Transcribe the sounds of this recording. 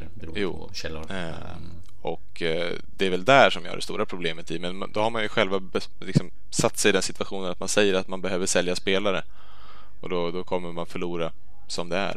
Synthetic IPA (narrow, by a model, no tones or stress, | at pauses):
ɾːjṵː | ɛlːʊ | ɔk | d̪ɛːvɛld̪æʂɔmjɪ̰ha̰ɖɛ̰st̪uːɾapʰɾʊbleːmət̪ɪmɛnma̰nd̪ɔhaɾmanjɵɧɛlvabɛ | lɪksɔm | sat̪ːsɛjɪd̪ɛnsɪt̪v̥aɧuːnənat̪mansɛjːəɾat̪manbɛɦøːvəʂɛljaspeːlaɾə | ʔɔ̰d̪ɔd̪ɔkʰɔmːəmanfœɭuːɾa | sɔmd̪ɛæ̰ɾ